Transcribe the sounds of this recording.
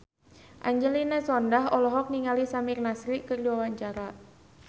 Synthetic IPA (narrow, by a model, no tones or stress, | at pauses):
ʔaɲd͡ʒəlinasɔndaɦɔlɔɦɔk̚niŋalisamirnasɾiʔkərduwawaɲt͡ʃaɾa